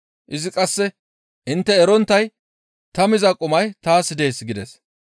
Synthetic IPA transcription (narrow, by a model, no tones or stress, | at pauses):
ʔɪzɪkʼɐsːɛ | ʔɪnt̪ːɛːɾɔnt̪ːɐj | t̪ɐmɪzɐkʼʊmɐjt̪aːsɪd̪e̞ːsɡɪd̪ɛs